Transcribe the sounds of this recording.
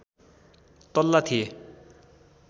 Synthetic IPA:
t̪ʌlːat̪ʰije

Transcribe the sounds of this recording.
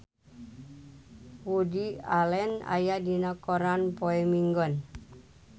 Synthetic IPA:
wudialɛna̰jadinɔkɔɾanpoɛmiŋɡɔn

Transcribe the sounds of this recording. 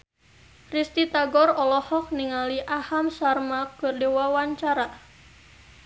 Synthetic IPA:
rist̪it̪aɡɔrɔlɔhɔk̚niŋaliʔahamsarmakɨrdiwawaɲt͡ʃaɾa

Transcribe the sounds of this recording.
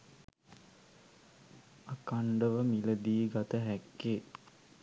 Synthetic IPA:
akaɳɖəʋəmiləd̪iːɡat̪əɦækːeː

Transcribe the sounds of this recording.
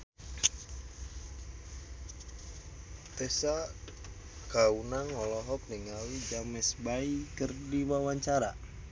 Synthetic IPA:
t̪esa | ɡ̥aunaŋɔlɔɦɔp̚niŋawid͡ʒamɛsbaikərdiwawaɲt͡ʃaɾa

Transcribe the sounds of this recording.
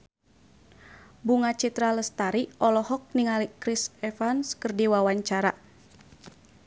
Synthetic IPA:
buŋat͡ʃit̪ɾaləst̪aɾiʔɔlɔhɔk̚niŋalikɾisɛfanskərdiwawaɲt͡ʃaɾa

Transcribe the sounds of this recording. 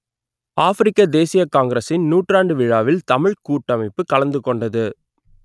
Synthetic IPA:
aːfɪɾɪkːɐd̪eːsɪjɐkaːŋɡɐɾɐsɪnnuːʈraːɳɖɯʋɪɻaːʋɪlt̪ɐmɪɻkuːʈːɐmɐɪpːɯkɐɭɐnd̪ɯkːɔɳɖɐðɯ

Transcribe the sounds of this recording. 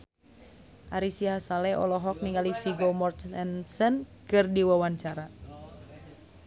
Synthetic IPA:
ʔaɾisiɦasalɛʔɔ̰lɔɦɔk̚niŋɡalifiɡɔmɔrt̪ɛnsənkɨrdiwawaɲt͡ʃaɾa

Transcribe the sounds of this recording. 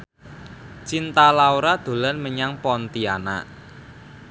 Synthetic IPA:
t͡ʃint̪alauɾad̪̥o̤lanməɲaŋpɔnt̪iana̰

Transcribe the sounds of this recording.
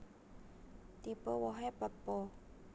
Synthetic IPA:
t̪ipəwɔɦɛpəpːɔ

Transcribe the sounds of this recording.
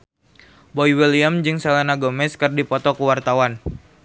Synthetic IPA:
bɔiwiliamd͡ʒɨŋsalanaɡɔmɛskɨrdipɔt̪ɔkuwart̪awan

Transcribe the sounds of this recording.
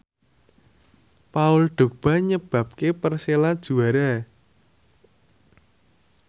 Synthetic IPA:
paʊlɖ̪̥o̤k̚b̥a̤ɲəb̥a̤p̚kepərselad̥ʒ̥ṳaɾa

